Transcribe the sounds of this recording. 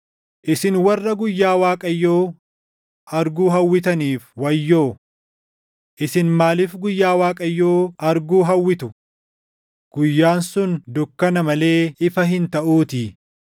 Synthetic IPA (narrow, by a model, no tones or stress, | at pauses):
ʔɪsɪnwɐrːɐɡʊjːaːwaːkʼɐjːoː | ʔɐɾɡuːɦɐwːɪt̪̬ɐniːfwɐjːo̞ː | ʔɪsɪnmaːlɪfɡʊjːaːwaːkʼɐjːoːɐɾɡuːɦɐwːɪt̪ʊ | ɡ̥ʊjːaːnsʊnd̪ʊkːɐnɐmɐle̞ːɪfɐɦɪnt̪ɐʔuːt̪ɪ